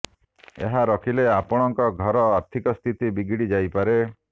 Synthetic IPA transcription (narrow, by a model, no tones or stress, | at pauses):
ḛɦaɾɔkʰileapɔɽ̃ɔŋkɔɡʱɔɾɔaɾt̪ʰikɔst̪ʰit̪ibiɡiɽid͡ʒajpaɾe